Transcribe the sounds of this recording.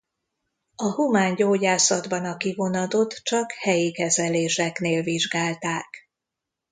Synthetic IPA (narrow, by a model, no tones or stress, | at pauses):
ɒhumaːɲɟoːɟaːsɒd̪bɒnɒkivo̞nɒt̪o̞t̪t͡ʃɒkhɛjikɛzɛleːʃɛkneːlviʒɡaːlt̪aːk